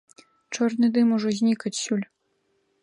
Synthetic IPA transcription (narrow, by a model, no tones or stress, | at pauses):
t͡ʂɔrnɨd̪ɨmuʐɔzʲnʲikɐt͡sʲsʲulʲ